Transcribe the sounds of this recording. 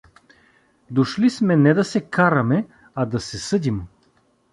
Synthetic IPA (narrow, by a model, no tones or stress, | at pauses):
d̪oʃlismɛnɛd̪ɐsɛkaɾɐmɛ | ɐd̪ɐsɛsɤd̪im